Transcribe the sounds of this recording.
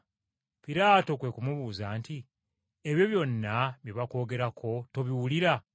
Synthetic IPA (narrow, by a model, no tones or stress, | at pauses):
piɾaːto̞kwe̞kumuβuːzanti | eβjo̞βjo̞nːaβjeβako̞ːɡe̞ɾakʰo̞to̞βiwuliɾa